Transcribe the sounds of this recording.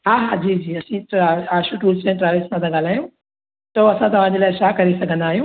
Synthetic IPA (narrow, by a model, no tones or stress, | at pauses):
ɦaɦad͡ʑiːd͡ʑiːɐsĩaaːʃũʈuːsʈɾaːʋesmãd̪ɐɡaːlaːɦjũ | t̪oɐsãt̪ɐʋ̤ãd͡ʑelajʃakɐɾisɐkʰə̃nd̪aːɦjũː